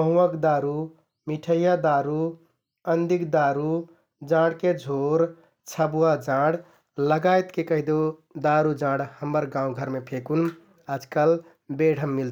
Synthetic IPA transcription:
bəɦũəkd̪aɾu | miʈʰəjad̪aɾu | ənd̪ikd̪aɾu | d͡ʒãɽked͡ʒʱoɾ | t͡ʃʰəbuwad͡ʒãɽ | ləɡajt̪kekəɦid̪od̪aɾud͡ʒãɽhəmːəɾɡãːũɡʱəɾmepʰekun | ad͡ʒkəl | beɽ̤ʱəmːil

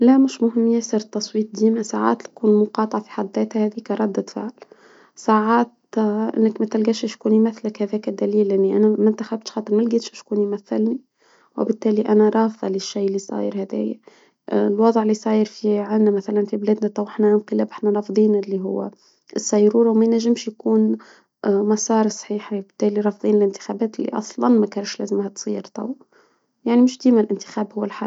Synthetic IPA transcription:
læmɪʃmʊɦɪmːjæsəɾt̪ːɑsˤwiːt̪̚ˤd̪iːmæsaʕa̰ɑ̰ːt̪lkuːnlmʊqɑːt̪ˤɑʕɑfi̥ħɑd̪ˤːæːt̪hæhæðikæɾˤɑd̪ːæt̪fa̰ʕl | saʕɑːt̪ʔɪ̰nːəkmæt̪ælɡæːʃɪʃkuːnimæθːləkhæðæːkæd̪æliːlʔanːiʔænæmɪnt̪æxæb̚t̪ʃxɑːt̪ˤəɾmælɡiːt̪ʃɪʃkuːnimæθːɪlni | wɪ̰bɪt̪ːæːliʔænæɾˤɑːfðˤɑlɪʃːijɪlːisˤɑ̰ːjəɾhæd̪æ̰ːjæ | lwɑðˤʕɪlːisˤɑːjəɾfiʕanːæmæθælænfiblæːd̪næt̪ˤɑwʔɪħnænqɨlæːbʔɪħnæɾˤɑfd̪ˤiːnɪlːiɦʊ̰wːæ̰ | ʔsːæjːɾuːɾˤɑwmæjnæʒːəɪmʃjakuːn | mɑsˤɑːɾˤsˤħiːħwbɪt̪ːæːliɾˤɑfðˤiːnɪlɪnt̪ɪ̥xæːbæːt̪ɪlːḭʔɑ̰sˤlɑnmækæːɾʃlæːzəmhæt̪sˤḭːɾt̪ˤɑ̰w | jaʕnimɪʃd̪iːmælʔɪnt̪ɪ̥xæːbhʊwːlħɑˤ

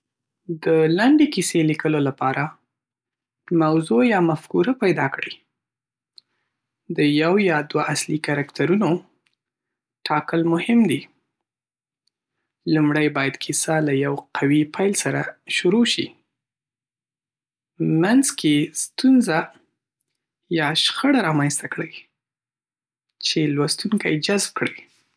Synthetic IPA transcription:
d̪əlaɳɖekiselikəlolapɑɾa | mawzojɑmafkuɾapajd̪ɑkɽi | d̪əjawjɑd̪waʔaslikaɾakt̪ʰaɾuno | ʈʰɑkəlmʊhɪmd̪i | lumɽajbɑjad̪kʰisalajawqʰawipʰajlsaɾaʃuɾoʃḭ | manzkʰest̪unza | jɑʃxəɽaɾɑmanst̪akɽəj | t͡ʃelwast̪uŋkajd͡ʒazb̚kɽəj

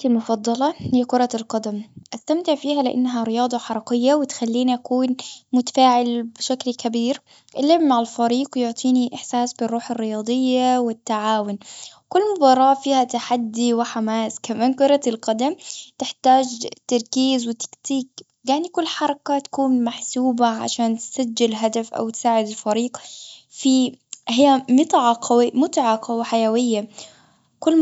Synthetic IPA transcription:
ɪlmʊfɑd̪ˤːɑlɑhɪjːakʊɾˤɑlqɑd̪amʔast̪amt̪ɪʕfiːɦalɪʔa̰nːɦaɾɪjɑːd̪ˤɑħɑɾˤɑqɪjːawɪt̪xalːiːniʔakuːnmʊt̪ḁfaːʕɪlbɪʃaklkabiːɾ | ʔɪlːɪbmaʕalfaɾiːqwjoʕt̪ˤiːniʔɪħsaːsbɪrˤːuːħɪrːɪjɑːd̪ˤɨjːawɪt̪ːaʕaːwʊn | kʊlːmʊbɑːɾˤɑːʔfiːhat̪aħad̪ːiwɪħamaːskamaːnkʊɾˤɑlqɑd̪amt̪ɪħt̪aːd͡ʒt̪ːɑɾˤkiːzwɪt̪ːḁkt̪iːk | ɡaːnikʊlːħɑɾˤɑkat̪ḁkuːnmaħsuːbaʕa̰ʃaːnt̪sad͡ʒːɪlɦad̪afʔa̰wt̪saːʕɪd̪ɪlfaɾiːqfiɦɪjːamɪt̪ˤʕɑqʰwmʊt̪ʕɑqawħajawɪjːa | kʊlː

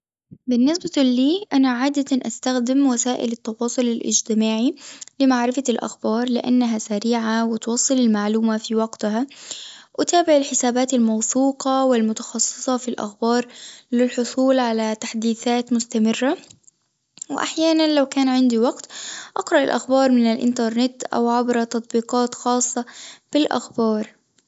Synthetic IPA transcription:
bɪnːɪsbaliːʔanaʕaːd̪at̪anʔast̪axd̪ɪmwasaːʔɪ̰lɪt̪ːɑwɑːsˤʊlɪlʔɪ̰d͡ʒt̪ɪmaːʕilɪmaʕɾɪfalʔa̰xbɑːɾˤlɪʔa̰nːaɦasaɾiːʕawɪt̪wɑːsˤːɨlɪlmaʕluːmafiwɑɡt̪ɦa | ʔɪt̪aːbɪʕɪlħɪsaːbaːt̪almɑwθuːqɑwɪlmʊt̪ɑ̥xɑsˤːɨ̥sˤɑfilʔa̰xbɑːɾˤlɪlħʊsˤuːlʕalat̪aħd̪iːθaːt̪mʊst̪amɪrːa | wɪʔa̰ħjaːnanlawkaːnʕɪnd̪iwɑqt̪ʔɑqɾˤɑʔɪ̰lʔa̰xbɑːɾˤmɪnɪlʔɪ̰nt̪ɑɾˤnɪt̪ʔa̰wʕabɾɑt̪ɑt̪ˤbiːqɑːt̪xɑːsˤːɑb̥ɪlʔa̰xbɑːɾˤ

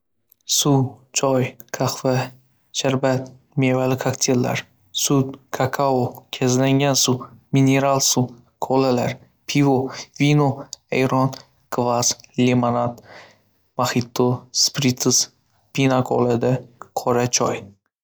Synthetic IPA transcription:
sut͡ʃʰɒjkʰaχva | ʃaɾbat̪ | mevalɪkʰakt̪ʲʰellːa̰ɾ | sut̪kʰakʰaokʲʰazlaŋɡʲansumine̞ɾalˠsu | kʰolalaɾ | pʰivovinoejɾɒn | kvaz̥lemanat̪ | mahit̪ʰːospɾit̪ʰɨs | pʰinakʰo̰lad̪aqʰɒɾat͡ʃʰɒj

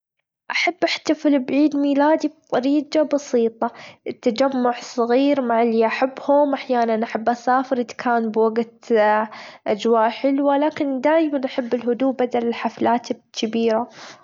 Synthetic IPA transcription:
ʔaħabːʔaħt̪afɪlbʕiːd̪miːlaːd̪ib̚t̪ˤɑɾiːɡabɑsiːt̪ˤɑɪt̪ːad͡ʒamːʊʕsˤɨɣiːɾmaʕɪlːiʔaħabːhʊmʔaħjaːnanʔaħabːʔasaːfɪɾɪd̪ḁkʰaːnbwaɡt̪ | ʔad͡ʒwaːʔħɪlwalaːkɪnd̪aːʔmanʔaħabːɪlɦʊd̪uːbad̪alɪlħaflaːt̪kʰɪbiːɾa

